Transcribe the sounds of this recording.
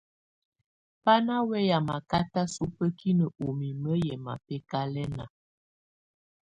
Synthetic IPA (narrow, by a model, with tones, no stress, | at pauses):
pa˦na˦wɛ˦ja˨ma˨ka˦ta˦su˦pə˦kʰi˦nə˨o˨mi˨mə˦jɛ˨ma̰˨pɛ˦ka˦lɛ˦na̰˨